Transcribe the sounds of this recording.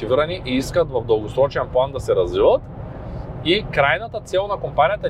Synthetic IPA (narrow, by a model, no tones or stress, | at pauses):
iviɾaniʔiiskat̪vavd̪ɐlˠɡosɾɔt͡ʃɛnplˠand̪asɛɾazvivat̪ | ikɾajnat̪at̪sɛlˠnakɔmpanʲijat̪a